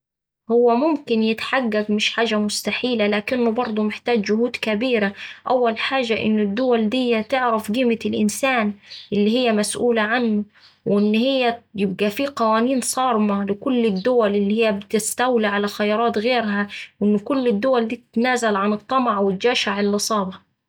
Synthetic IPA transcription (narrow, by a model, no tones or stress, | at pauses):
hʊwːamʊmkɪnjɪt̪ħaɡːaɡmɪʃħaːʒamʊst̪aħiːlalaːkɪnːʊbɑɾˤd̪ˤumɪħt̪aːd͡ʒd͡ʒʊhuːd̪kabiːɾaʔawːalħaːʒaʔɪ̰nːʊd̪ːʊwald̪ɪjːat̪ɪʕɾafɡiːmɪlʔɪnsaːnʔɪlːihɪjːamasʔuːlaʕanːʊ | wʔɪnːhɪjːajɪb̚ɡafiːqɑwaːniːnsˤɑːɾˤmalɪkʊlːɪd̪ːʊwalʔɪlːihɪjːabɪt̪ɪst̪awliʕalaxajɑːɾˤɑːt̪ɣeːɾɦawʔɪnːʊkʊlːɪd̪ːʊwald̪iːt̪ɪt̪naːzalʕanɨt̪ˤːɑmaʕwɪt̪̚d͡ʒaːʃaʕɪlʔɨsˤɑːbɑ